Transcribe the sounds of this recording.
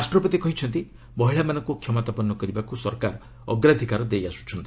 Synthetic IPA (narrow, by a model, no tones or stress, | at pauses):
asʈɾɔpɔt̪ikɔɦit͡ʃʰɔnt̪i | bɔɦiɭamanɔŋkukʰjɔmɔt̪apɔnːɔkɔɾibakusɔɾkaɾ | ɔ̰ɡɾad̪ʱikaɾɔd̪ejasu̥t͡ʃʰɔnt̪i̥